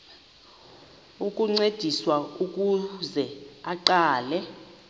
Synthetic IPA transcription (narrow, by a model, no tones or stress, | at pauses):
ukʼuŋ͡ǀed̥ʱiswauk̬ʼuzɛaǃaːlɛ